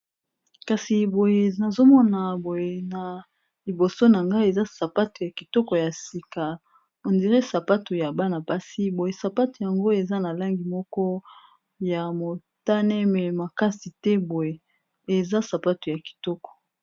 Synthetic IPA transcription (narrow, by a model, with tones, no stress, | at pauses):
ka˨si˨bo˨je˨na˨zo˦mɔ˦na˨bo˨je˨na˨ | li˨bo˨so˦na˨ŋɡa˦e˨za˦sa˨pa˦tu˨ja˨ki˨tɔ˦kɔ˨ja˨si˨ka˨ | o˨ndi˨ʁe˦sa˨pa˦tu˨ja˨ba˦na˨pa˦si˦bo˨je˨sa˨pa˦tu˨ja˨ŋɡo˦e˨za˦na˨la˦ŋɡi˨mɔ˦kɔ˦ | ja˨mo˨ | ta˦nɛ˦mɛ˨ma˨ka˦si˨tɛ˦bo˨je˨ | e˨za˦sa˨pa˦tu˨ja˨ki̥˨tɔ˦kɔ̥˨